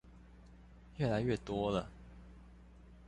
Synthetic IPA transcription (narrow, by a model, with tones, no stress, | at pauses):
ɥɛ˥˩la˨˧˥ɪɥɛ˥˨˩t̪wɔ˥lə˨